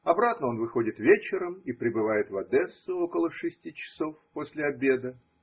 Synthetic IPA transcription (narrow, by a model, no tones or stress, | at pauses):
ɐbɾat̪nəo̞nvɨxo̞dʲɪt̪vʲet͡ɕɪɾəmipɾʲɪbɨvajɪt̪vɐd̪ɛsːʊo̞kəlˠəʂɨsʲtʲit͡ɕɪ̥so̞fposʲlʲɪɐbʲe̞d̪ə